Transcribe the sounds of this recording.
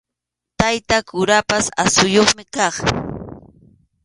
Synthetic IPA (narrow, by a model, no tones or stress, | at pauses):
t̪ajt̪akʊɾapasa̰sʊjoχmɪkɑχ